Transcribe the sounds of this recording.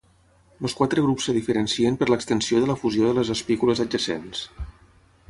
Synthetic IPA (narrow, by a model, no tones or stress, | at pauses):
ləskwat̪ɾəɣ̞ɾupsːəðifəɾənsiəmpəɾləkst̪ənsioðələfuzioðələzəspikuləzəd͡ʒəsḛns